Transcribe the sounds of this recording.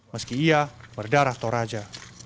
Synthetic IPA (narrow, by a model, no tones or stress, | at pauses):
məskiiabərdaɾaht̪oɾad͡ʒa